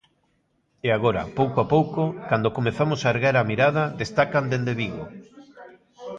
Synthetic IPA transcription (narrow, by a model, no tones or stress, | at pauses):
eaɣoɾɐ̰powkoapowkokand̪okomeθamosaeɾɣaɾamiɾað̞ɐðest̪akand̪end̪eβiɣo̰